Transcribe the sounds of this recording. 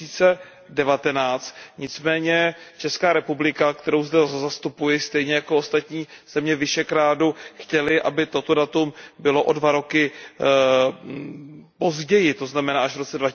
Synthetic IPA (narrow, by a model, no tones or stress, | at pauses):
iːt͡sɛ | dɛvat̪ɛnaːt͡st̪ɲɪt͡smɛːɲɛt͡ʃɛskaːɾɛpublɪkakt̪ɛɾowzdɛzast̪upujɪst̪ɛjɲɛjakoost̪at̪ɲiːz̥ɛmɲɛvɪʃɛkɾaːduxcɛlɪʔa̰bɪt̪o̞t̪o̞dat̪umbɪlo̞ʔodvaɾo̞kɪ | po̞zɟɛjɪt̪o̞znamɛnaːaʒvɾo̞t͡sɛdva